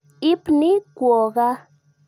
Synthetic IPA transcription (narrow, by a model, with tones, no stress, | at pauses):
i˦pni˦kʷɔ˨ɣa˦